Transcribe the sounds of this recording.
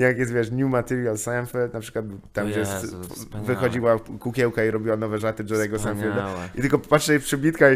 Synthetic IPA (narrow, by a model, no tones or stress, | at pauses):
jakjɛs̬t̪vʲjɛʂɲʲjumat̪ɛɾjalsamfɛlt̪napʂɘ̥kwat̪̚t̪amvjɛst̪vɨxɔd͡ʑiwakukʲɛwkaiɾɔbʲiwanɔvɛʐat̪ɘʐɛjɛɡɔsamfʲild̪it̪ɘlkɔpatʂɛpʂɘbʲit̪ka